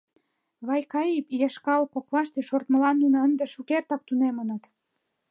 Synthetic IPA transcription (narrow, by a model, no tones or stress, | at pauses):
βɑjkɑjipjeʃkɑlkokβɑʃt̪eʃort̪mə̆lɑnːunəənd̪ĕʃukert̪ɑk̚t̪unemənə̆t̪